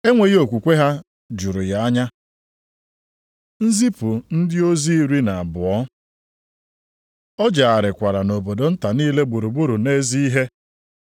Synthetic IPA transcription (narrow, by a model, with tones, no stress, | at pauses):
e˦ŋʷe˨ɣo˨kʷu˨kʷe˦ɦa˦ | d͡ʒu˨ɾʊ˨ja˨a˦ɲa˦ | n̩˦zi˦pʊ˨n̩˦dɪ˦o˦zi˦i˦ɾi˦na˨a˨bʊ˨ɔ˦ | ɔ˦d͡ʒa˨a˨ɾɪ˨kʷa˨ɾa˨no˨bo˨do˨n̩˦ta˨niː˦le˦ɡ͡bu˨ɾu˨ɡ͡bu˦ɾu˨ne˦zi˦i˦ɦe˦